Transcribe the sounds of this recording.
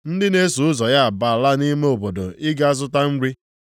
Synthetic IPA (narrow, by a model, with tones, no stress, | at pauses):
n̩˦dɪ˦ne˦su˨ʊ˦zɔ˨ja˦a˨ba˨la˦ni˦me˦o˨bo˨do˨ʔɪ˦ɡa˦a˦zʊ˦ta˦n̩˦ɾi˦